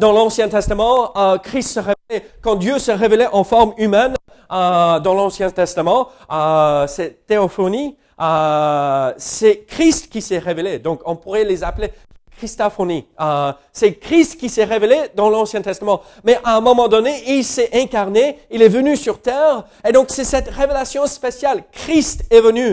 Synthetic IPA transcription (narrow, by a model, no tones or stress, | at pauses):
d̪ɑ̃lɑ̃sjɛ̃t̪ɛst̪amɑ̃əkχist̪səʁeelɛkɑ̃d̪jøsəʁevelɛʔɑ̃fɔʁmymɛn | əd̪ɑ̃lɑ̃sjɛ̃t̪ɛst̪amɑ̃ | əsɛt̪eɔfɔni | ə | sɛkχist̪kʲisɛʁeveled̪ɔ̃kɔ̃puʁɛlezaple | kχist̪afɔniə | sɛkχist̪kʲisɛʁeveled̪ɑ̃lɑ̃sjɛ̃t̪ɛst̪amɑ̃ | mɛʔaɛ̃mɔmɑ̃d̪ɔneilsɛʔɛ̃kaʁneilɛvənysyʁt̪ɛːʁ | ed̪ɔ̃ksɛsɛt̪ʁevelasjɔ̃spesjalkχist̪ɛvəny